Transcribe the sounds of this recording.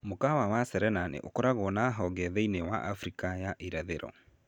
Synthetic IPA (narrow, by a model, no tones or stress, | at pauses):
mokawawasɛɾɛnanḛʔokɔɾaɣɔnaɦɔɡɛðɛinewa̰ʔafɾikajaʔiɾaðeɾɔ̰